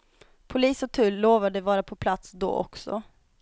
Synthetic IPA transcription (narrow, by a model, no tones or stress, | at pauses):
pʰʊliːsɔt̪ʰʉ̟ːlloːvad̪əvɑːɾapʰɔpʰlat̪sd̪o̰ːʔɔ̰ksɔ̰